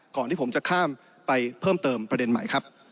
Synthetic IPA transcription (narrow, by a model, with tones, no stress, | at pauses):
kɔː˨˩nt̪ʰiː˥˩po˩˦mt͡ɕa˨˩kʰaː˥˩m | pa˧jpʰɤː˥˩mt̪ɤː˧mpɾa˧de˧nma̰˨˩jkʰɾa˦˥p̚